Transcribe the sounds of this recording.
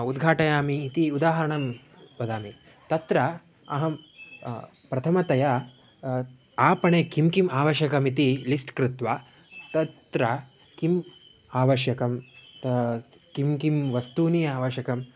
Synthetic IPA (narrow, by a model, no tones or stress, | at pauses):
ud̪ɡʱaːʈɐjaːmiːt̪iud̪aːɦɐɾɐɳɐm | pɐd̪aːmi | t̪ɐt̪ɾɐ | ɐɦɐm | pɾɐt̪ʰɐmɐt̪ɐja | aːpɐɳeːkimkimaːʋɐʃjɐkɐmit̪ilisʈkɾɪt̪ʋa | t̪ɐt̪ɾɐ | kim | aːʋɐʃjɐkɐm | kimkimʋɐst̪uːnijaːʋɐʃjɐkɐm